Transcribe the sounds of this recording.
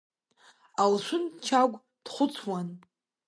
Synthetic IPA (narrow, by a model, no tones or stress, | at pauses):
alʃʷʊnt͡ʃʰaɡʷʼ | d̥χʷʊt͡sʰwan